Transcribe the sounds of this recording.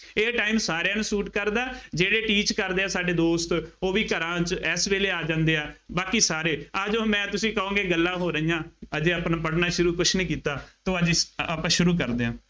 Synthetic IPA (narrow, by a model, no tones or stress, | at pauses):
eːʈaːiːmsaːɾjaːnũːsuːʈkəɾd̪aːd͡ʒeːɽeːʈiːt͡ʃkəɾd̪eːaːsaːɖeːd̪oːst̪oːʋiːkəɾãːt͡ʃɛsʋeːleːaːd͡ʒãːnd̪eːaːbaːkiːsaːɾeːad͡ʒoːmɛ̃ːt̪ʊsĩːkəõːŋɡeːɡəlːãːɦoːɾəijãːəd͡ʒeapnaːpəɽnaːʃʊɾuːkʊʃnĩːkiːt̪aːt̪õːəd͡ʒaːpãːʃʊɾuːk̬əɾd̪eːãː